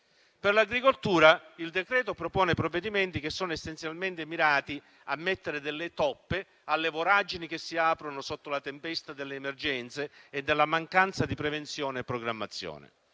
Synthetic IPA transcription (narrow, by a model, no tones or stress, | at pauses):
perlaɡɾikolt̪uːɾaild̪ekɾɛːt̪opɾopɔːnepɾovːed̪iment̪ikesːoːnoesːent̪sjalment̪emiɾaːt̪i | amːet̪ːeɾed̪elːɪt̪ɔpːe | alːevoɾad͡ʒinik̟esːiaːpɾonʊsot̪ːolat̪empɛst̪ad̪elːeːmerd͡ʒɛnt̪seed̪ːelːamaŋkant̪sad̪ipɾevent̪sjɔːneɛpːɾoɡɾamːat̪sːjɔ̰ːnḛ